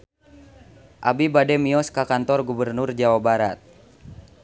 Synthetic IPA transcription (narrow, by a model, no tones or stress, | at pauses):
ʔabibadɛmiɔskakant̪ɔrɡubərnurd͡ʒawabaɾat̪̚